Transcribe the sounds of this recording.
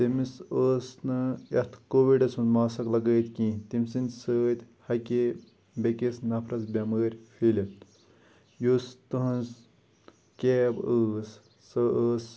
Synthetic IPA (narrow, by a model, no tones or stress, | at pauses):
t̪imisəːsnɨɐt̪ʰkoːʋiɖɐt͡sʰunmaːsɐklɐɡəːt̪kĩːt̪imʲsinʲsəːt̪ʲ | hɐkʲe | bekisnɐpʰɾɐsbʲaməːɾʲfʰili | just̪ɨɦɐns | kʲebəːsː | əəːs